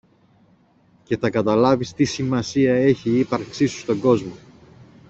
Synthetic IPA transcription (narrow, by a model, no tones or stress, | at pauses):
ce̞θɐkɐt̪ɐlɐvist̪isimɐsiɐe̞çiipɐɾksisu̥st̪o̞ŋɡo̞zmo̞